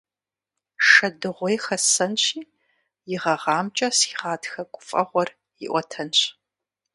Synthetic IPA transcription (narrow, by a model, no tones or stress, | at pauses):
ʂɐdɨʁʷɔjxɐsɐnɕiː | jɪʁɐʁɑːmt͡ʃʼɐsiʁɑːtxɐkʷʼʊfʼɐ̰ʁʷɔr | jɪ̰ʔʷɔtʰɐnɕ